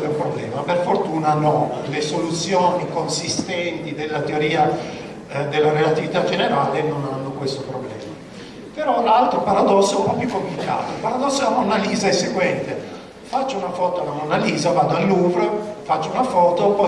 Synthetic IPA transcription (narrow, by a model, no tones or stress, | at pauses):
eumpɾoblɛ̰ːmaperfort̪uːnanɔnlesolut̪sːjoːnikonsist̪ɛnt̪id̪elːat̪eoɾiːa | d̪elːaɾelat̪ivit̪ad͡ʒeneɾaːlenonanːokwest̪opɾɔblɛ̰ːma | peɾɔlalt̪ɾopaɾad̪ɔsːoapjukːompifika̰ːt̪oilpaɾad̪ɔsːoamonaliːzaɛsːeɡwɛnt̪e | fat͡ʃːounafɔːt̪oalamonaliːzavad̪oalːuvɾfat͡ʃːounafɔːt̪opɔ